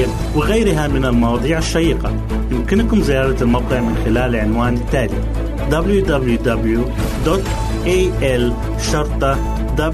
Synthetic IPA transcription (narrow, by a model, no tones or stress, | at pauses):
a | wɪɣajɾɪɦamɪnalmɑwɑːðˤiːʕɪʃːajiːqa | jɪmkɪnkʊmzɪjɑːɾˤɑlmawqɪʕmɪnxɪlaːlʕɪnwaːnɪt̪ːaːli | d̪ɑbljud̪ɑbljud̪ablju | d̪ot̪ | ʔeːʔɛl | ʃɑɾˤt̪ˤɑ | d̪ɑb